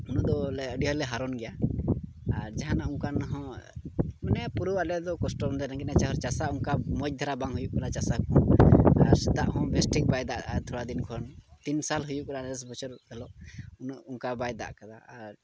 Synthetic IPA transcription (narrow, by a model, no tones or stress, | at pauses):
unud̪ɔlɛəɖiɦɔlɛɦaɾɔnɡɛja | aɾd͡ʒaɦanauŋkanɦɔ̃ | mɛnɛapuɾuwalɛd̪ɔkɔsʈɔmd̪ɛɾɛɡɛnat͡ʃaɦɔɾt͡ʃasauŋkamɔc̚d̪ʱaɾabaŋɦujuʔkalat͡ʃasakɔ̃aɾsɛd̪aʔɦɔ̃bɛsʈik̚bajd̪aʔat̪ʰɔɽad̪inkʰɔnt̪insalɦujuʔkalanɛs̬bɔt͡ʃɔɾhɛlɔʔunuʔuŋkabajd̪a̰ʔkad̪aaɾ